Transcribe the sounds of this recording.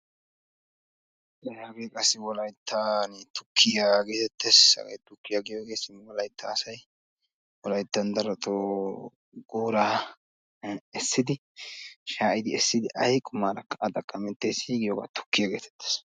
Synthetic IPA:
ɛɐɡekʼɐsːɪwɔlɐjt̪ʰːant̪ʊkʰːɪjaːɡe̞ːt̪ɛt̪ːesɐ̰ɡɐ̰jt̪ʊkːɪjaɡɪjoːɡeːsɪnwɔlɐjt̪ʰːaːsɐj | wɔlɐjt̪ːɐnd̪ɐɾɐt̪ʰo | ɡuːɾaː | ɛsːɪd̪ɪ | ʃaːʔɪd̪ɪɛsːɪd̪ɪʔɐjkʼʊmaːɾɐkːɐʔɐd̪ɐkʼːɐmɛt̪ːejsiːɡɪjoːɡa̰ːt̪ʊ̥kːɪjaːɡe̞ːt̪ɛ̥t̪ːe̥s

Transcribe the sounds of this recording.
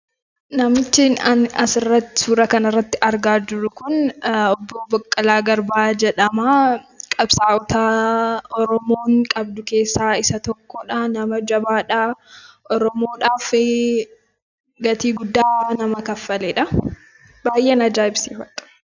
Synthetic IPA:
nɐmɪt͡ʃːɪnɐnɐsɪrːɐt̪ːɪ̥suːɾɐkɐnɐrːɐt̪ːɪʔɐɾɡaːd͡ʒɪɾʊkʊnɔbːɔbɐkʼːɐlaːɡɐɾbaːd͡ʒɛᶑɐmaːkʼɐbsaːwʊt̪aːɔɾɔmo̞ːŋkʼɐbd̪ʊke̞ːsːaːɪsɐt̪ɔkːɔᶑaːnɐmɐd͡ʒɐbaːᶑaʔɔɾɔmo̞ːᶑaːfɪ | ɡɐt̪iːɡʊd̪ːaːnɐmɐkɐfːɐleːᶑɐ | baːjʔeːnɐd͡ʒaːɪbsiːfɐt̪ʼɐ̥

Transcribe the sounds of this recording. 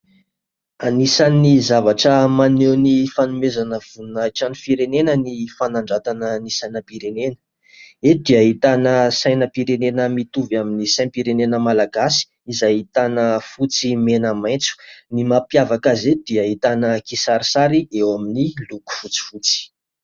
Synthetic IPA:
anisanizavaʈ͡ʂəmanewnifanumezanəv̥unajʈ͡ʂanifiɾenenənifanaɳɖ͡ʐat̪anənisajnəpiɾenenə̥ | ed̪eaɦit̪anəsajnəpiɾenenəmit̪uvaminisãpiɾenenəmalaɡasi̥ | izajit̪anəfut͡simenəmaj̃nt͡su̥nimapjavakazed̪̥iaɦit̪anəkisaɾisaɾiewaminiluku̥fut͡si̥fut͡si̥

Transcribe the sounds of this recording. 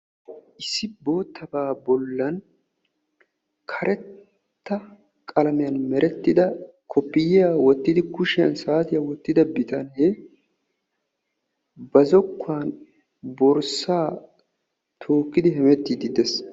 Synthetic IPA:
ʔɪsːɪbo̞ːt̪ːɐbaːbɔlːɐn | kʰɐɾʔɛt̪ː | ɐ | kʼɐlɐmɪjɐnmɛɾʔɛt̪ːɪd̪ɐ | kʰɔpːɪjɪjaːwɔt̪ːɪd̪ɪkʊʃɪjɐ̰nsaːt̪ɪjawɔt̪ːɪd̪ɐbɪt̪ɐnɛ | bɐzɔkːʊaːn | bɔɾsaː | t̪ʰoːkːɪd̪ɪɦɛmɛt̪ːɪd̪ɪd̪ɛs

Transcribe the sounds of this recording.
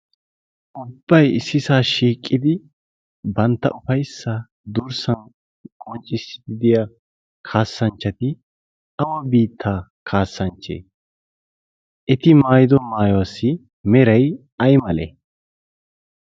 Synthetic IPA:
ʔʊbːɐjɪsːɪsaːʃiːkʼːɪd̪ɪ | bɐnt̪ːɐ̰ʔʊfɐjsːɐ | d̪uʊɾsɐn | kʼɔnt͡ʃʼːɪsd̪ɪd̪ɪja | kʰaːsːɐnt͡ʃːɐt̪ɪ | ɐwɐbiːt̪ʰːaː | kʰaːsːɐnt͡ʃːḛː | ʔɛt̪ɪmaːjɪd̪ɔmaːjɔwɐsːɪ | mɛɾɐj | ɐjmɐlḛː

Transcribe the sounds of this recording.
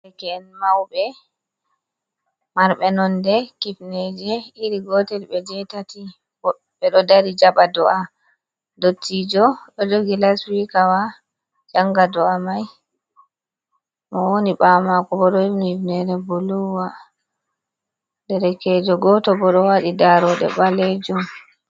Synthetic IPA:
ɛkɛɛnmawɓɛ | maɾɓɛnɔndɛkifnɛd͡ʒɛiɾiɡɔtɛlɓɛd͡ʒɛtati | ɔ | ɓɛɗɔdaɾid͡ʒaɓadɔʔa | dotʰːid͡ʒɔɗɔd͡ʒoɡilaswikawa | d͡ʒaŋɡadɔamaj | mɔwoniɓamakɔbɔɗɔhinihifnɛɾɛbuluwa | dɛɾɛkɛd͡ʒɔɡɔtɔbɔɗɔwaɗidaɾɔɗɛ̰ɓalɛd͡ʒum

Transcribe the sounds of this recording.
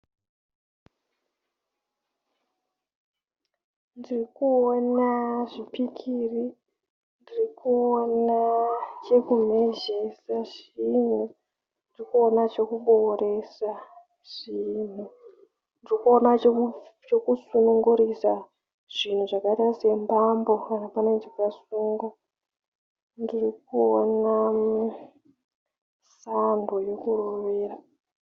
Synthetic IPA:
ndirikuonaʐipikʰiri | ndirikuonat͡ʃe̞kum̤e̞ʒe̞saʐin̤u | ndirikuo̞nat͡ʃo̞kuɓo̞re̞sa | ʐ̥in̤u | ndirikuona | t͡ʃo̞kusunuŋɡuɾisa | ʐ̥in̤uʐakatase̞mbambo̞kanapanend͡ʒikasuŋɡa | ndirikuona | sandoje̞kuroʋe̞ːra

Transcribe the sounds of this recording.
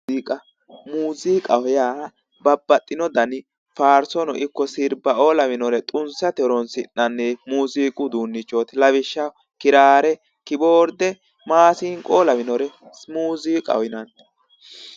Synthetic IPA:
iːkʼɐ | muːziːkʼɐwjaː | bɐbːɐt̪ʼːɪnɔd̪ɐnɪ | faːɾsɔnɔ̰ʔɪkːɔsɪɾbɐoːlɐmɪnɔɾɛt̪ʼʊnsɐt̪ɛɾɔnsɪnːɐnːɛmuːziːkʼʊd̪uːnːɪt͡ʃʼːoːt̪lɐβɪʃːɐ | kɪɾaːɾɛ | kɪboːɾd̪ɛ | maːsɪːŋkʼoːlɐmɪnɔɾɛmuːziːkʼɐ̰wɪnɐn

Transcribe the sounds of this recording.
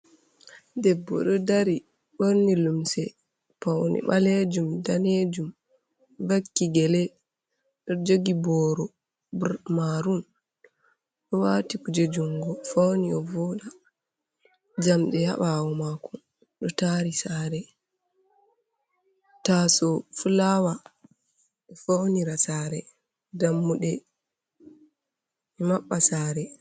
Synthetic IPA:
dɛbːɔ̰ɗɔdaɾi | ɓoɾnilumsɛ | fawnḭɓaled͡ʒumdaned͡ʒum | vakːiɡɛlɛ | ɗɔd͡ʒoɡibɔːɾɔ | bmaɾun | ɗɔwaːtikud͡ʒed͡ʒuŋɡɔfawniɔvɔɗa | d͡ʒamɗɛja̰ɓawɔmakɔ | ɗɔtaɾisaːɾɛ | tasɔfulawa | ɛfawniɾasaːɾɛ | damːuɗɛ | ɛmaɓːasaːɾɛ

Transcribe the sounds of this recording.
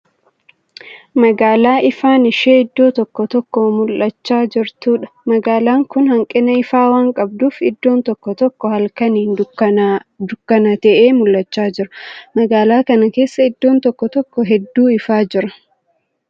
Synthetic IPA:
mɐɡaːlaːʔɪfaːnɪʃeɪd̪ːo̞ːt̪ɔkːɔt̪ɔkːoːmʊlʔɐt͡ʃːaːd͡ʒɪɾt̪uːᶑɐ̥mɐɡaːlaːŋkʊnhɐŋkʼɪnɐɪfaːwaːŋkʼɐb̚d̪uːfɪd̪ːo̞ːnt̪ɔkːɔt̪ɔkːɔhɐlkɐniːn | d̪ʊkːɐnɐt̪ɛʔeːmʊlʔɐt͡ʃːaːd͡ʒɪɾɐmɐɡaːlaːkɐnɐkeːsːɐɪd̪ːo̞ːnt̪ɔkːɔt̪ɔkːɔɦɛd̪ːuːɪfaːd͡ʒɪɾɐ̥

